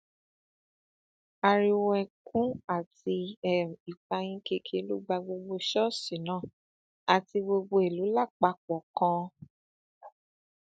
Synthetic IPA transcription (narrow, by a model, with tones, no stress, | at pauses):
a˧ɾi˧wɛ˧˨kʰũ˦a˦˨ti˧ɛ˨i˨k͡pa˧j̃ĩ˦ke˧kʰe˧˦lu˦ɡ͡ba˧ɡ͡bo˧ɡ͡bo˧ʃɔ˦˨si˨nã˦˨ | a˨ti˧ɡ͡bo˧ɡ͡bo˧e˨lu˨˦la˦˨k͡pa˧˦k͡pɔ˨kã˧